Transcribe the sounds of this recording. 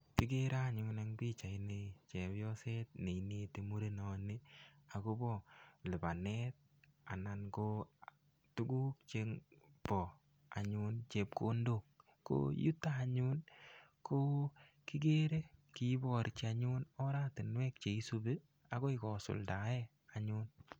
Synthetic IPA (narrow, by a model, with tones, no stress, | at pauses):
kɪ˦ɡe˦ɾa˦ɲʊna˦ŋbi˦t͡ʃa˨i˨ne˨t͡ʃe˨bjɔ˦se˦t̚ne˨ine˨te˨mu˦ɾe˦nɔ˨ni˦a˨ko˦bɔ˦˨lɪ˨ba˨nɛ˦t̚ | a̰˨na˨nko˦ | tu˦ɡu˦k̚t͡ʃeŋpɔ˨ | a̰˨ɲu˦nt͡ʃe˨p̚ko˦ndo˦˨k | ko̰ju˦tːaː˦˨ɲu˦nko˦ | kɪ˦ɡe˦ɾe˦ki˦bɔ˨ɾt͡ʃa˨ɲu˦nɔ˦ɾa˦tɪ˨nwɛ˦k̚t͡ʃe˨i˦sube˦ | a˨ɡo˦ɪ˦kɔ˨sʊ̰˨lda˨ɛ˦ | a˨ɲun